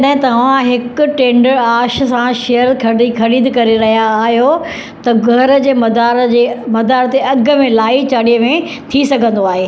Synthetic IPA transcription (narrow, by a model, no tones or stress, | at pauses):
ɐɗɦɪ̃t̪ɐʋ̤ãɦɪkʊ̆ʈẽːɳɖəɾaːʃsãʃejəɾkʰɐɖixʰɐɽiːd̪kɐɾeɾɐɦijaːɦijo | t̪ɐɡʱɐɾ̆d͡ʑeːmɐd̪aːɾd͡ʑeːmɐd̪aːɾət̪eɐɡʱʊ̆mẽlaːit͡ɕaːɽijəmẽ | t̪ʰisɐɡʱə̃nd̪oaːɦeː